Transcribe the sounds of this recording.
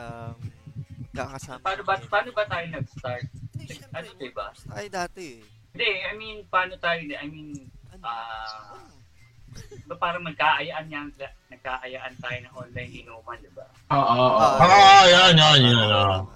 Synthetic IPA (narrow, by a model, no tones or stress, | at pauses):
paːnobɐpaːnobɐt̪aːjonɐɡst̪aɹt̪̚nɐɡʔɐd̪ot̪oba | d̪ɛʔɐjminpaːnot̪aːjonɛʔɐjminʔaː | bapaːɾɐŋmɐɡ̚kːaʔɐjaʔɐnɲaŋa | nɐɡ̚kaʔɐjaʔɐnt̪aːjonɐŋʔonlajnɪnoːmɐnd̪ɪba̰ | ʔoːʔooʔoʔajanjanjana